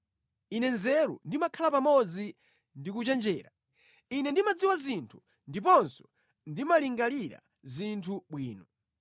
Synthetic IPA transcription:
inɛnzɛɾṵndimakʰalapamɔd͡zi | ndikut͡ʃɛnd͡ʒɛːɾa | inɛndimad͡ziwazintʰu̥ | ndipɔnsɔ̥ | ndimaliŋɡaliɾa̰ | zintʰuɓwiːnɔ

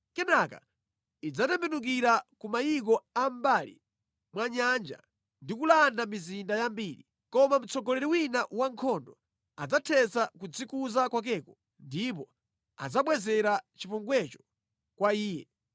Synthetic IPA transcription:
kɛnaka̰ | id͡zatɛmbɛnuk̬iɾakumajik̬ɔambalḭ | mwaɲand͡ʒa̰ | ndikulandamizindajambiːɾḭ | kɔmam̩t͡sɔɡɔlɛɾiwinaʔwaŋkʰɔndɔ | ad͡zatʰɛsakud͡zikuzakwak̬ɛkɔ | ndip̬ɔ | a̰d͡zaɓwɛzɛɾat͡ʃipuŋɡwɛt͡ʃɔ̥ | kwaiːjɛ

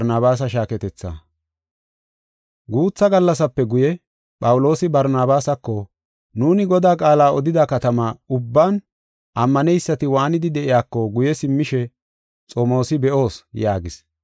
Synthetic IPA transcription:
ɾnaːβaːs̬ɐʃaːkɛt̪ɛt͡sːa̰ | ɡuːt͡sːɐɡɐlːɐs̬ɐpːɛɡʊjɛ | pʼɐwʊlo̞ːsɪbɐɾnaːbaːsɐkːɔ | nuːnɪɡɔd̪aːkʼaːlaːɔd̪ɪd̪ɐkɐt̪ɐmaʊbːaːn | ʔɐmːɐnɛjsːɐt̪ɪwaːnɪd̪ɪd̪ɛʔɪjaːkːɔɡʊjɛsɪmːɪʃɛ | t͡sʼomo̞ːsɪbɛʔo̞ːsjaːɡɪs

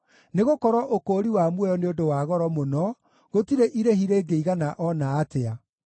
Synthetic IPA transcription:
neɣokɔɾwɔʔokoːɾiwamwɛjɔneodowaɣɔɾɔmonɔ | ɣotiɾeʔiɾehiɾeːɡeiɣanaʔɔnaːtea

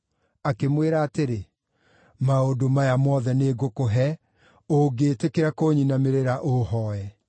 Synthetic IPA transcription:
akemweɾaːteɾe | maodomajamɔːðɛneːɡokoɦɛ | oɡeːtekeɾakoːɲinameɾeɾaʔohɔɛ

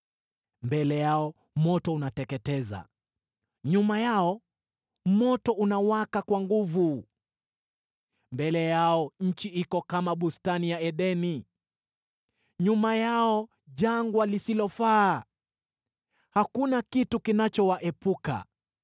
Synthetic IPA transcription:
mbɛlɛjaɔ | mɔtɔunatɛkɛtɛza̰ | ɲumajaɔ | mɔtɔunawakakwaŋɡuvu | mbɛlɛjaɔɲ̩t͡ʃiikɔkamaɓustanijaɛɗɛni | ɲumajaɔ | ʄaŋɡwalisilɔfaː | hakunakitukinat͡ʃɔwaʔɛpuka̰

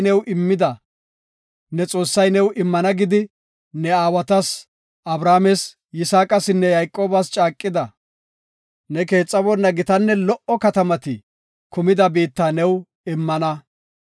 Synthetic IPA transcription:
nɛwʔɪmːɪd̪ɐ | nɛt͡sʼo̞ːsːɐjnɛwɪmːɐnɐɡɪd̪ɪ | nɛaːwɐt̪ɐs | ʔɐbɾaːmɛs | jɪsaːkʼɐsɪnːɛjɐjkʼːo̞ːbɐst͡ʃʼaːkʼːɪd̪ɐ | nɛke̞ːt͡sʼːɐbɔnːɐɡɪt̪ɐnːɛlɔʔɔkɐt̪ɐmɐt̪ɪ | kʊmɪd̪ɐbiːt̪ːaːnɛw | ɪmːɐnɐ

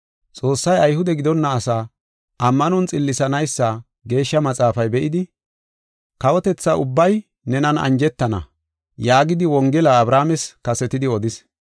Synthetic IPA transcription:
t͡sʼo̞ːsːɐjɐjhʊd̪ɛɡɪd̪ɔnːɐːsa | ʔɐmːɐnɔnt͡sʼɪlːɪsɐnɐjsːɐ | ɡe̞ːʃːɐmɐt͡sʼaːfɐjbɛʔɪd̪ɪ | kɐwɔt̪ɛt͡sːɐʔʊbːɐj | nɛnɐnɐ̰nd͡ʒɛt̪ːɐnɐ̰ | jaːɡɪd̪ɪwɔŋɡɛlɐːbɾaːmɛskɐsɛt̪ɪd̪ɪɔd̪ɪs

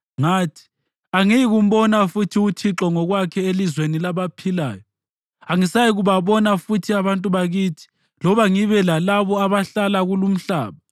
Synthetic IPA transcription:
ŋaːtʰi̥ | aŋijiɣum̩bɔnafutʰiutʰiǁɔŋɔɣwakʰɛelizwenilaβapʰila̰ːjɔ | aŋisajiɣuβaβɔnafutʰiaβantʼuβaɣiːtʰi̥ | lɔβaŋiβɛlalaβɔaβaɬalaɣulum̩ɬa̰ːβa

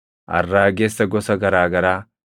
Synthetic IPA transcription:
ʔɐ̰rːaːɡeːsːɐɡɔsɐɡɐɾaːɡɐɾaː

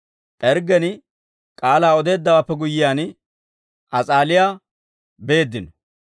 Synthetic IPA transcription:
ʔɛɾɡɛn | kʼaːlaːɔd̪e̞ːd̪ːɐwaːpːɛɡʊjːɪjaːn | ʔɐt͡sʼaːlɪjaː | be̞ːd̪ːɪnɔ

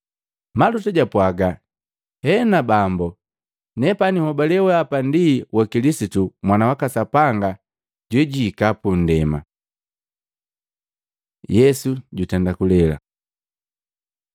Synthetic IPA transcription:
malutaɟapwaɡa | hɛnabambɔ | nɛpanihɔbalɛwɛapandiwʔakilisitumwanawakasapaŋɡa | ɟwɛɟiːkapun̩dɛma̰ | jɛsuɟutɛndakulɛla̰

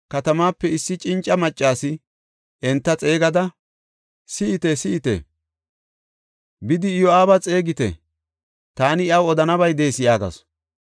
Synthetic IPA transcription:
kɐt̪ɐmaːpːɛɪsːɪt͡ʃʼɪnt͡ʃʼːɐmɐt͡ʃʼːaːsɪ | ɛnt̪ːɐt͡sʼe̞ːɡɐd̪ɐ | sɪʔɪt̪esɪɪt̪ḛ | bɪd̪ɪjoaːbɐt͡sʼe̞ːɡɪt̪ɛ̰ | t̪aːnɪɪɐwɔd̪ɐnɐbɐjd̪e̞ːsɪjaːɡɐ̰s

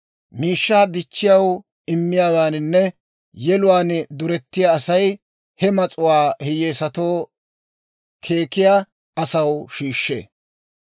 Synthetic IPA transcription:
miːʃːaːd̪ɪt͡ʃːɪjɐw | ɪmːɪjaːɡaːnɪnːɛ | jɛlʊwaːnd̪ʊɾɛt̪ːɪjaːsɐj | hɛmɐt͡sʼʊwaːhɪjeːsɐt̪o̞ː | kʰe̞ːkɪjaː | ʔɐsɐwʃiːʃːḛː

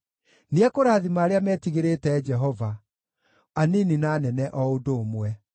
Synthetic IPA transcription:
niɛkoɾaðimaːɾeamɛːtiɣeɾetɛːd͡ʒɛɦɔva | anininaːnɛnɛʔɔodoːmwɛ

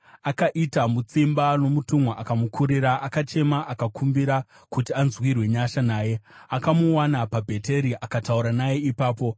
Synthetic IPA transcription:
akaʔitamut͡simbano̞mutumwaʔakamukʰuɾiɾaʔakat͡ʃe̞maʔakakʰumbiɾa | kutianzwirwe̞ɲaʃanaːje̞akamuwanapabʱe̞te̞ɾiʔakatauɾanaje̞ipaːpo̞

